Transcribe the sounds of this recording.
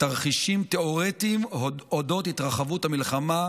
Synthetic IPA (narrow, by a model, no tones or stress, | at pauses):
taʁχiʃimt̪eoʁet̪imoodo̞thit̪ʁaχavuthamilχama